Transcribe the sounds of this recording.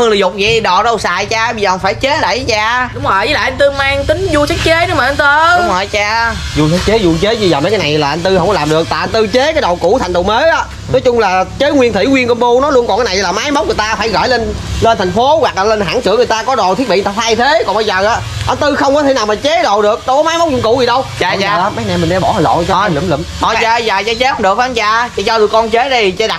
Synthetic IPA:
ɨ˨˧ə˩ŋlzʊ˨˩k͡p̚zi˨˩ɗɔ˨˩ɗə˧˩wsa̰ː˧˨jt͡ɕaː˧ɓə˧zəː˨˩˨wfaː˧˩jt͡ɕe˨˦ɗə˧˩jt͡ɕaː˧ɗʊ˨˦ŋ͡mhɔ˨˩jə˨˦la̰ː˧˨ʔa˧nt̪ɨ˧maː˧ŋt̪ï˨˦ŋ̟zu˧sa˨˦˥k̚t͡ɕe˨˦˥nɨ˨˦maː˨ʔə˧nt̪ɨ˧ɗʊ˨˦ŋ͡mhɔ˨˩jt͡ɕaː˧zu˨˧˩sʰa˨˦˥t͡ɕe˨˦zu˧˩t͡ɕe˨˦zi˧zəː˨˩mə˨˦jkaː˨˦na˨˩jlaː˨˩ʔa˧n̟t̪ɨ˧hə˧wŋ͡mkɔ˧˦laː˨˩mɗɨ˨˩ək̚t̪aː˨ʔnt̪ɨ˧t͡ɕe˨˦kaː˨˦jɗə˨˩wkṵ˧˥t̪ʰa˨˩ŋɗo˨˩me˨˦ʔaː˨˦ | nɔ˨˦jt͡ɕʊ˧ŋ͡mlaː˨˩t͡ɕe˨˦˥ŋwi˧ənt̪ʰḭ˧˩ŋwi˧ənkə˧nɓo˧nɔ˨˦jlu˧nɔ˨˩nkaː˨˦jna˨˩jlaː˨˩maː˨˦jma˦˥wk͡p̚ŋ˨˩t̪aː˧faː˧˩jɣɔ̰˧˩jle˧nle˧nt̪ʰa˨˩ŋ̟fo˨˦ɣwa˨˩k̚laː˨˩le˧nɦa̰ː˧˥˩ŋsɨ̰˧˥ŋɨ˨˩əjt̪aː˧kɔ˨˦ɗo̰˨t̪ʰi˦˥t̚ɓḭ˧˨˩t̪aː˧˩t̪ʰaː˧jt̪ʰe˨˦kɔ˨˩ŋɓaə˧jzəː˨˩ʔaː˨˦ʔa˧nt̪ɨ˧xə˧wŋ͡mkɔ˨˦t̪ʰe˧˩˦naː˨˩wmaː˨˩t͡ɕe˨˦˥ɗo̰˧˨ɗɨ˨˩ək̚ɗə˧wkɔ˨˦maː˨˦jmə˦˥k͡p̚u˧˨˦ŋkʊu˧˩zi˨˩ɗə˧wt͡ɕaː˨a˨˧˨mə˨˦jna˨˩jmï˨˩ŋɗɛ˧˩ɓɔ˧˩˦hə˨jlo̰˧˨t͡ɕɔ˧˨lɨ̰˧˩mlə̰˧˩mɔ˨˩zaː˧zaː˨˩zaː˧t͡ɕe˨˦˥hə˧ŋ͡mɗk̚faː˧nt͡ɕaː˧˨t͡ɕa˧˩t͡ɕaː˧ɗɨ˨˩əkɔ˧nt͡ɕe˨˦ɗi˧˩˨t͡ɕe˧˦ɗa˨˩

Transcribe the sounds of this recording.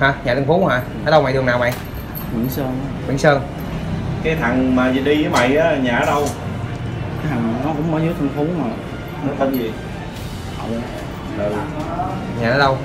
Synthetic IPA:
haː˨˩ɲaː˨˩t̪ʰːŋfu˨˦˥haː˨˩ | ʔəː˨˦˥ɗə˧wma̰˨jɗɨ˨˩əŋnaː˨˩wma̰˨j | ŋwḭ˨˧˩əŋsəː˧nkwḭ˧˩˥ŋsəː˧n | kaː˨˦jt̪ʰa˨˩ŋmaː˨˩zi˨˩ɗi˧zəː˨˦jma̰˧˨jʔaː˨˦˨ɲaː˨˩˦ɗə˧w | a˨˦ja˨˩˨nɔ˨˦˥kʊ̰˧˥wŋ͡mmɔ˨˦zɨː˨˦˥jt̪ʰɨ˧ŋfu˨˦no˨˩j | nɔ˨˦t̪ʰə˨˦zi˨˩ | a˨˧˩w | ɗə˨˩w | ɲaː˨˩əː˨˦˥ɗə˧w

